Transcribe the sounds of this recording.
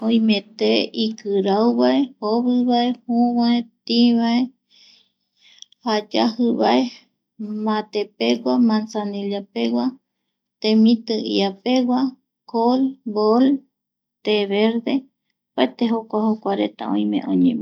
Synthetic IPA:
õĩmẽt̪eikɨɾawβaehoβɨβaehũβaet̪ĩβae | had͡ʒahɨβae | mãt̪epewʷamãnsanelapewʷa | t̪ẽmĩt̪ɨḭapeɡwa | kolbol | t̪eβeɾd̪e | paet̪eɦokʷahokʷaɾḛt̪a̰õ̰j̃mḛ̃ʔõ̰ɲẽm

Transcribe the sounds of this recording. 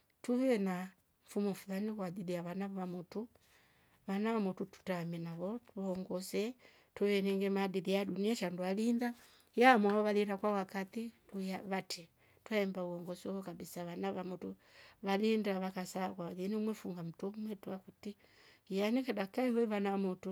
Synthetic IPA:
tuβɛna | ɱfumɔfulanikwadiðiaβanaβamutu | βanaβamututu̥taminaβɔtβɔɔŋɡɔsɛ | tuβɛnɛŋɡɛmadiðijaduniaʃandualinda | jamwaβɔβaliɾakwawakatituaβatʰɛ | twaɛmbauɔŋɡɔsiɔkabisaβanaβamutu | βalindaβakasakwaβaðinimwɛfuŋɡam̩tumwɛtuakuti | janikɛɗakaiwɛβanaamutu

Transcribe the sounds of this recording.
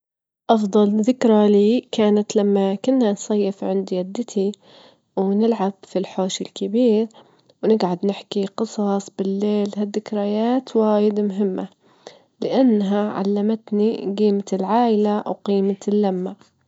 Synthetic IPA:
ʔɑfd̪ˤɑlðɪkɾaliːkaːnat̪lamːakʊnːhansˤɑjːɪfʕɪnd̪ijad̪ːɪt̪ʰi | wnɪlʕab̥filħoːʃɪlkɪbiːɾ | wnɪɡʕad̪nɪħkiqɨsˤɑsˤbɪlːeːlɦaðːɪkɾajaːt̪waːjɪd̪amʊɦɪmːa | lɪʔanːɦaʕa̰lːamat̪niɡiːmatlʕaːʔɪlawqiːmalːamːa

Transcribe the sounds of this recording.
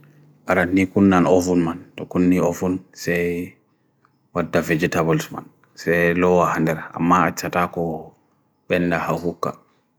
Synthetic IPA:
ʔaɾanːikunːanofunmantɔkunːiofunsɛj | wadːavɛd͡ʒɛtabɔlsma̰n | sɛlɔwahandɛɾa̰mːaat͡ʃːatakɔ | ɓɛndahahukːa̰

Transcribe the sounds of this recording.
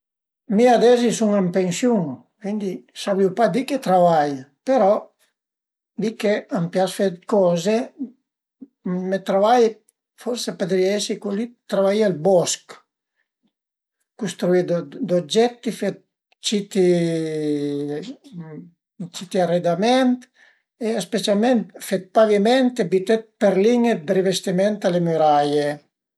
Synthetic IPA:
miad̪ɛzisuŋampeŋsjuŋ | kwind̪isabliupad̪iket̪ɾavajpeɾɔ | d̪ikeampjasfekɔːze | met̪ɾavaj | fɔɾseped̪ɾiaɛsikulit̪ɾavaialbɔsk | kust̪ɾuid̪od̪od͡ʒɛt̪ːifet̪̚ | t͡ʃit̪i | t͡ʃit̪iared̪amɛnt̪ | eespet͡ʃalment̪fet̪̚pavimɛnt̪ebit̪ɛt̪̚peɾliɲed̪ɾivest̪imɛnt̪alemyɾaje

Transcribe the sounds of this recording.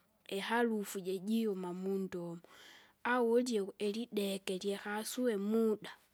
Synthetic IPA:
exalufuɟeɟijomamundomo | awoljeeliɗekeljexasuwemuɗa

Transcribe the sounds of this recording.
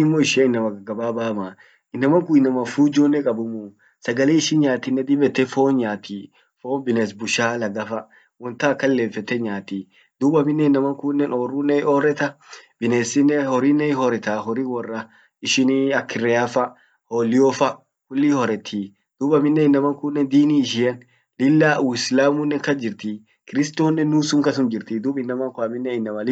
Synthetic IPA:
ɪmːɔɪʃeɪnːɐmɐɡɐɡɐbaːbaːma | ɪnːɐmɐŋkʊɪnːɐmɐfuːd͡ʒoːnːɛkʼɐbʊmʊ | sɐɡɐleːɪʃɪnɲaːt̪ɪnːɛd̪ɪbɛt̪ːɛfoːnɲaːt̪ʰiː | foːnbɪnes̬bʊʃaːlɐɡɐfɐ | wɔnt̪ɐːkːɐlːeːfɛt̪ːɛɲaːt̪iː | d̪̥uːbɐmɪnːɛɪnːɐmɐŋkʊnːɛnoːrːunːɛɔɾɛt̪ɐb̥ɪneːsɪnːɛhɔɾinːɛɪɦɔɾɛt̪aɦɔɾiwɔrːɐ | ɪʃɪniɐkɪrɛɐfɐ | hoːlɪjɔfɐ | kʊlːihɔɾɛt̪ʰːi | d̪̥ubɐmɪnːɛɪnːɐmɐŋkʊnːɛnd̪iːniːɪʃ̬ɪjɐn | lɪlːaːʔuɪslaːmunːɛkɐd͡ʒɪɾt̪i | kɪɾɪst̪oːnːɛnːuːsʊŋkɐs̬ʊmd͡ʒɪɾt̪id̪uːbɪnːɐmɐŋkʊɐmɪnːɛɪnːɐmɐlɪ

